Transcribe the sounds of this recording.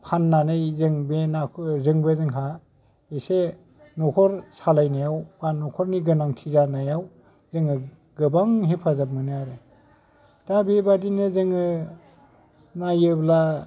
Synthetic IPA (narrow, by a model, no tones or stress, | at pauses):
pʰanːanajzɯŋbenakʰzɯŋbezɯŋɦa | ese | nɔkʰɔɾsalajnajawbannːɔkʰɔɾniɡɯnaŋtʰizanajaw | zɯŋɯ | ɡɯbaŋɦepʰazap̚mɯnejaɾe | tabebadinɯzɯŋɯ | najɯbla